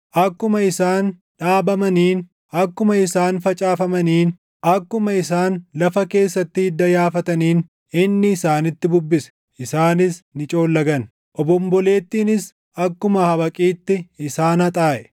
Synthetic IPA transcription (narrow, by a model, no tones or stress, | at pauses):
ʔɐkːʊmɐɪsaːn | ᶑaːbɐmɐniːn | ɐkːʊmɐɪsaːnfɐt͡ʃʼaːfɐmɐniːn | ʔɐkːʊmɐɪsaːnlɐfɐke̞ːsːɐt̪ːɪɪd̪ːɐjaːfɐt̪ɐniːn | ɪnːɪːsaːnɪt̪ːɪbʊbːɪsɛ̥ | ɪsaːnɪsnɪt͡ʃʼo̞ːlːɐɡɐn | ʔɔbɔmbɔle̞ːt̪ːiːnɪs | ɐkːʊmɐhɐbɐkʼiːt̪ːɪɪsaːnɐt̪ʼaːʔɛ